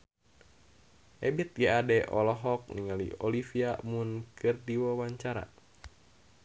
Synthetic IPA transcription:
ʔɛbit̪̚ɡɛadɛʔɔlɔɦɔk̚niŋalḭɔlifiamunkʰɨrdiwɔwaɲt͡ʃaɾa̰

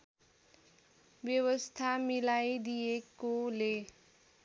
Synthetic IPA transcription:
bjʌwʌst̪ʰamilajd̪ijekole

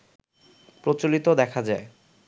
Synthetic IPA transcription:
pɾot͡ɕolit̪od̪ɛkʰad͡ʑae

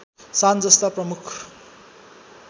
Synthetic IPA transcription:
sand͡zʌst̪aprʌmukʰ

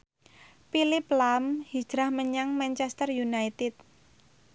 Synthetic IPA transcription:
pilɪplamhi̥d͡ʒ̥ɾahməɲaŋmant͡ʃɛst̪ərjunajt̪ɪt̪̚

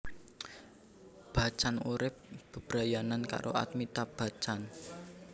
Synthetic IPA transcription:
b̥a̤t͡ʃanuɾɪp̚b̥ə̤b̥ɾajananka̰ɾʔo̰ʔa̰t̪̚mit̪ab̥a̤t͡ʃan

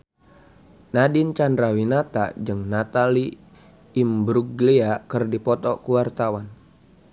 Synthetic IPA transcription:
nadint͡ʃandɾawinat̪a̰d͡ʒɨŋnat̪aliː | mbɾuɡliakɨrdipɔt̪ɔkuwart̪awan

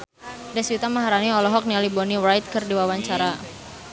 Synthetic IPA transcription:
dɛswit̪amaɦaɾaniɔlɔɦɔk̚nialibɔniwɾajt̪̚kərdiwawaɲt͡ʃaɾa

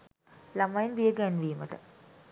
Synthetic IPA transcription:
lamajinʋijəɡænʋiːmət̪ə

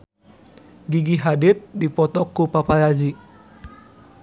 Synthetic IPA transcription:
ɡiɡiɦadit̪̚dipɔt̪ɔkːupapalad͡ʒi

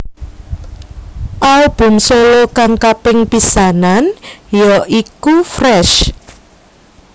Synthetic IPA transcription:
ʔalb̥ʊ̤msolokaŋkapɪŋpisananjɔʔikufrɛʃ

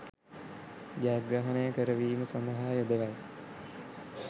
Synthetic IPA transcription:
ɡaːɡɾaɦənəjəkəɾəʋiːməsand̪əɦaːjod̪əʋaj

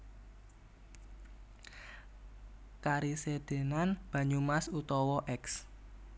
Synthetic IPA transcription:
kaɾised̪̥e̤nanb̥ä̤ɲumasut̪ɔwɔʔɛks

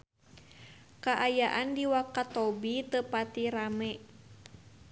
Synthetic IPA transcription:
kaʔajaʔandiwakat̪ɔbit̪əpat̪iɾamɛ

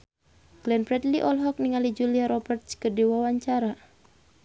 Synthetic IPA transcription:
klɛnpɾɛdliʔɔlɦɔk̚niŋalid͡ʒuliaɾɔbɛrt̪skərdiwawaɲt͡ʃaɾa

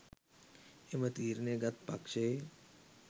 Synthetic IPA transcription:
emət̪iːɾneɡat̪̚pakʂe

